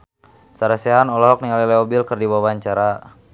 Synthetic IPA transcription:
saɾasɛɦanɔlɔɦɔk̚niŋalilɛɔbilkərdiwawaɲt͡ʃaɾa

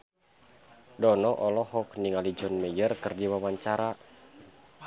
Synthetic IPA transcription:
dɔnɔʔɔlɔhɔkniŋalid͡ʒɔnməjərkərdiwawaɲt͡ʃaɾa

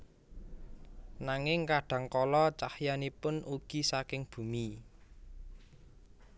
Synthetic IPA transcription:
naŋɪŋkaɖ̥ä̤ŋkɔlɔt͡ʃahjanipʊnʔuɡ̥i̤sakɪŋb̥ṳmi

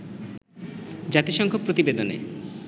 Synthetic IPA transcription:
d͡ʑat̪iʃɔŋkʰopɾot̪ibed̪onḛ

